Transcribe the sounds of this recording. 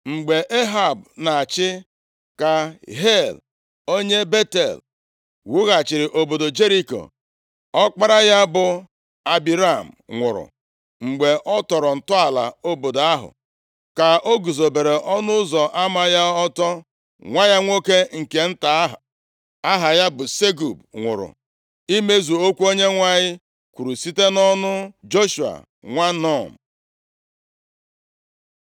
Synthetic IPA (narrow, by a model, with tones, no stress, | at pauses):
ŋ͡m̩˨ɡ͡be˨ʔe˦ɦa˨bna˨t͡ʃɪ˦ | ka˨ɦe˦˨l | o˦ɲe˦be˦tḛ˨l | wu˦ɣa˨t͡ʃɪ˨ɾɪ˨ʔo˨bo˨do˨d͡ʒe˦ɾi˦ko̰˨ | ɔ˦k͡pa˦ɾa˦ja˦bʊ˨ | a˨bi˨ɾa˦˨m̩˨ŋʷʊ̰˨ɾʊ̰˨ | ŋ͡m̩˨ɡ͡be˨ʔɔ˦tɔ˨ɾɔ˨n̩˨tʊ˦a˨la̰˨o˦bo˨da˦ɦʊ̰˨ | ka˨o˦ɡu˨zo˨be˨ɾe˨ʔɔ˦nʊ˦zɔ˨ʔa˦ma˦ja˦ɔ˦tɔ˦ | ŋʷa˦ja˦ŋʷo˦ke˦ŋ̩˨ke˨n̩˦ta˨˦ɦa˨ | a˦ɦa˨ja˦bʊ˨se˦ɡu˨b̚ŋʷʊ̰˨ɾʊ̰˨ | i˦me˦zu˨o˦kʷu˦o˦ɲe˦ŋʷa˦ɲɪ˦ | kʷu˨ɾu˨si˦te˦nɔ˦nʊ˦d͡ʒo˦ʃu˨a̰˨ | ŋʷa˦nɔ˦˨m̩˨